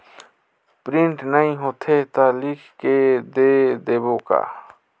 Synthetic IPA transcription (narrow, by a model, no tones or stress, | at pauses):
pɾɪ̃ɳʈnəĩɦot̪ʰet̪alɪkʰked̪ed̪eːboka̰